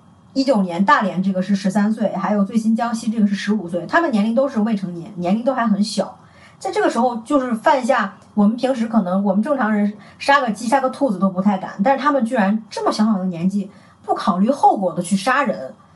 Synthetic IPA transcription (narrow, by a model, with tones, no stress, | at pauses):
i˥t͡ɕjo˨˩ʊnjɛ˧˥nt̪a˥˩ljɛ˧˥nʈ͡ʂɤ˥˩ɡə˩ʂɻ̩˥˩ʂɻ̩˧˥sa˥nswe˥˩ɪxa˧˥ɪjo˨˩ʊt͡swe˥˩ɪɕi˥nt͡ɕjɑ˥ŋɕi˥ʈ͡ʂɤ˥˩ɡə˩ʂɻ̩˥˩ʂɻ̩˧˥u˨˩swe˥˩ɪt̪ʰa˥mə˨n˨jɛ˧˥nli˧˥ŋt̪o˥ʊʂɻ̩˥˧we˥˩ɪʈ͡ʂʰɤ˧˥ŋjɛ˧˥nnjɛ˧˥nli˧˥ŋt̪o˥xa˧˥xə˧˥nɕjɑ̰˨˩˦ʊ | t͡sa˥˧ɪʈ͡ʂɤ˥˩ɡə˩ʂɻ̩˧˥xo˧ʊt͡ɕjo˥˧ʊʂɻ̩˥˧fa˥˧ni˧˥ɕ̬ja˥˩ | wɔ˨˩mə˦npʰi˧˥ŋʂ̬ɻ̩˧˥kʰɤ˨˩nɤ˧˥ŋwɔ˨˩mə˦nʈ͡ʂɤ˥˩ŋʈ͡ʂʰɑ˧˥ŋɻə˧˥n˥˧ | ʂa˥ɡə˨˩t͡ɕi˥ʂa˥ɡə˧t̪ʰu˥˩d͡zɹ̩˩o˥ʊpu˧˥t̪ʰa˥˩ɪka̰˨˩nt̪a˥˧ʂɻ̩˧t̪ʰa˥mə˨nt͡ɕy˥˩ɻa˧˥nʈ͡ʂɤ˥˩mə˩ɕjɑ˧˥ŋʰ˨˩d̪njɛ˧˥nt͡ɕi˥˧ | pu˥˩kʰɑ˨˩ʊly˥˧xo˥˩ʊkwɔ˨˩d̪ə˦t͡ɕʰy˥˩ʂa˥ɻə˧˥n